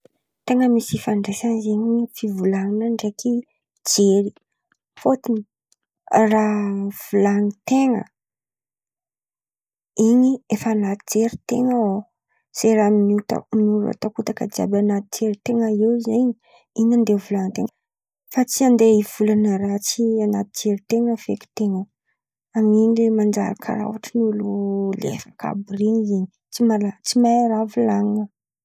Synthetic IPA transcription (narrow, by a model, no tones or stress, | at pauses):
t̪eŋəmisifaɳɖ͡ʐesanizeɲifivulaninaɳɖ͡ʐekʰi | d͡ʒeɾi | fot̪ini | rav̥ulanit̪eŋə̰ | iɲiefanat̪id͡ʒeɾit̪eŋəo | z̥eɾaminut̪a̰minuɾa̰t̪akut̪akəd͡ʒia̰banat̪id͡ʒeɾit̪eŋəiwzeɲi | iɲand̪evulanət̪eŋə | fat͡siand̪eiv̥ulanəɾat͡sianat̪id͡ʒeɾit̪eŋəfeki̥t̪eŋə | amiɲilemand͡ʒa̰ɾa̰kʰa̰ra̰waʈ͡ʂinululḛfḁka̰briniziɲi | t͡simaat͡simaɾavulaŋə